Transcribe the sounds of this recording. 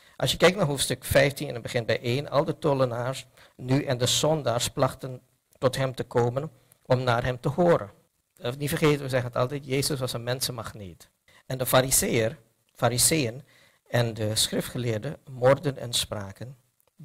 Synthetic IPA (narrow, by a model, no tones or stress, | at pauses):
ʔɑ̰lˠsjəkɛjk̚naɹɦowftstɵkfɛjftinɛnəbəχɪnbɛjʔeːnʔɑ̰lˠdətolənaːɹs | nyʔɛndəzɔndaːɹsplɑχtən | tɔtɦɛmtəkoːmən | ʔɔmnaːɹɦɛmtəɦoːɾə̰n | nifəɹχeːtənʋəzɛχənətɑ̰lˠtɛjtjeːzəsʋɑsənmɛnsənmɑχneːt | ɛndəfaɾizejər | faɾizejən | ɛndəsχrɪftχəlɪːɹdəmɔrdənɛ̰nspraːkən